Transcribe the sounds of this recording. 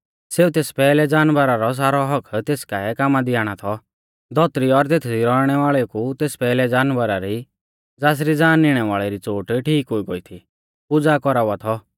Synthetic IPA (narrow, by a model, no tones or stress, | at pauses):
seːut̪eːspɛːlɛd͡zaːnʋəɾaɾɔs̬aːɾɔɦɔkʰt̪eːskaɛkaːmad̪ɪaːɽ̃at̪ʰɔ | d̪ɔt̪ɾiɔɾt̪eːt̪ʰd̪iɾɔɽ̃ɛʋaːɭɛkut̪eːspɛːlɛd͡zaːnʋəɾaɾi | d͡zaːs̬ɾid͡zaːnːɪɽ̃ɛʋaːɭɛɾit͡soːʈʈʰiːkɦoiɡoit̪ʰi | pʊd͡zakɔɾaat̪ʰɔ